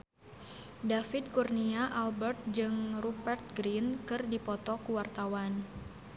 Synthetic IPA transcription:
dafɪd̚kurniaʔalbɛrt̪̚d͡ʒɨŋrupɛrt̪̚ɡɾinkɨrdipɔt̪ɔkuwart̪awan

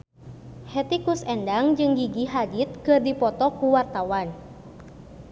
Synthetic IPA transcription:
hɛt̪ikusɛndaŋd͡ʒɨŋɡiɡiɦad͡ʒit̪̚kɨrdipɔt̪ɔkuwart̪awan

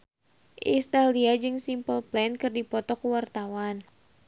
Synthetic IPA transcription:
ʔist̪aliad͡ʒɨŋsimpəlplɛnkɨrdipɔt̪ɔkəwart̪awan

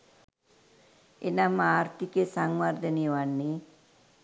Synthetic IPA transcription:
enamaːɾt̪ikesaŋʋaɾd̪ənejʋanːe

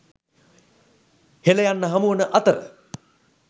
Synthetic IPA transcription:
heləjanːəɦɐmuənəʔɐt̪əɾə̰

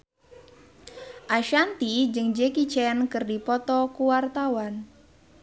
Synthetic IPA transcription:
ʔaʃant̪id͡ʒɨŋd͡ʒekit͡ʃɛnkɨrdipɔt̪ɔkuwart̪awan

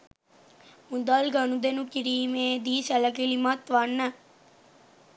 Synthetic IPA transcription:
mud̪alɡanud̪enukiɾiːmeːd̪iːsɛləkilimat̪ʋanːə

